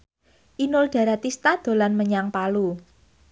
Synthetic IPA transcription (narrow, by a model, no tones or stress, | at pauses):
ʔinʊlɖ̥a̤ɾat̪ist̪ad̪̥o̤lanməɲaŋpalu